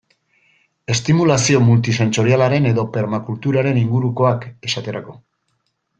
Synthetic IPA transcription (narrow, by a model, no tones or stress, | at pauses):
e̞st̪imulasio̞mult̪̬ise̞nt͡so̞ɾialaɾe̞ne̞ðo̞pe̞ɾmakult̪uɾaɾe̞niŋɡuɾuko̞ake̞sat̪e̞ɾako̞